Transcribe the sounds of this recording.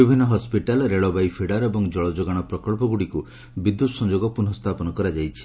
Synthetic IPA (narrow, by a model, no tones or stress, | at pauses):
bibʱinːɔɦɔspiʈalɾeɭɔbajpʰiɽaɾɔebɔŋd͡ʒɔɭɔd͡ʒɔɡaɽ̃ɔpɾɔkɔɭpɔɡuɽiku | bid̪ːut̪sɔnd͡ʒoɡɔpuɾnɔst̪ʰapɔnɔkɔɾad͡ʒajt͡ʃʰi̥